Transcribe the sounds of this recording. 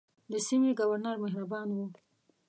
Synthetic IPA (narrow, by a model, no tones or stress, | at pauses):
d̪əsimeɡawaɾnaɾmaɦɾabɑnwu